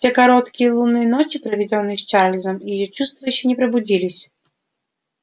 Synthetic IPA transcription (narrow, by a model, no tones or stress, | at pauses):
sʲɛkaɾɔt̪kʲijɛlˠunːɨjɐnɔt͡ʃʲipɾɐvʲɛd͡zʲɔnɨjɛst͡ʂalʲizɐmijɛjɔt͡ʂust̪vɐjut͡ɕʲinʲɛpɾɐbud͡zʲilʲisʲɐ